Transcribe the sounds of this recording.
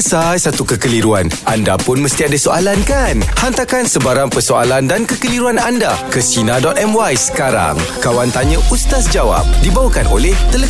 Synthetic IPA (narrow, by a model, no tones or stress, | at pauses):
sajsat̪ukəkəliɾuanandapʊnməst̪iadisoʔalankanhant̪akansəbaɾaŋpərsoa̰landankəkəliɾuanandakəsinadɔt̪̚ɛmwajsə̥kaɾa̰ŋkawant̪aɲə̃ʔust̪asd͡ʒawa̰p̚dibawakanʔolɛht̪ələ